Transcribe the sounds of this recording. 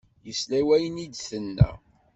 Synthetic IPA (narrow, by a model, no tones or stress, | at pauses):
jəslæwæjənid̪θənːæ̰